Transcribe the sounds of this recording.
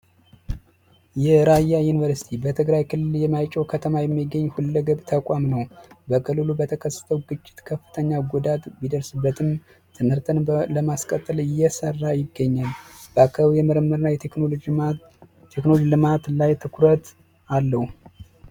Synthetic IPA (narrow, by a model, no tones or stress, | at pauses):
jɛɾajːajunivəɾsi̥t̪ʰibət̪ʰɨɡɾajkʰɨlːɨljɛmajt͡ʃʼɛwkʰət̪ʰəmajɛmːiɡəɲːhulːəɡəβt̪ʰəkʷʼamnəwbəkʰɨlːɨlubət̪ʰəkʰəsːə̥t̪ʰəwɡɨt͡ʃʼːɪ̥t̪kʰəfːɨ̥t̪ʰəɲːaɡud̪at̪bid̪əɾsɨbːət̪ʰɨm | t̪ʰɨmhɨɾt̪ʰənləmaskʼət̪ʼːɨlɪjːɛsərːajɪɡːəɲːalb̥əakʰːəβjɛməɾəmːəɾnːajɛ | t̪ʰeknood͡ʒlɨmat̪lajt̪ʰɨkʰɾət̪ | alːəhu